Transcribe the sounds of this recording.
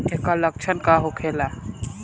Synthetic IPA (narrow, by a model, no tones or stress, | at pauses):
ekalək̚t͡ʃʰənkaɦokʰela